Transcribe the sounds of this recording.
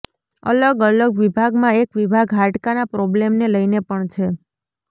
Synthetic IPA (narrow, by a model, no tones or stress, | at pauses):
ə̰ləɡələɡʋibʱaɡmãekʋibʱaɡɦaʈkanapɾɔblemneləjnepəɳt͡ʃʰe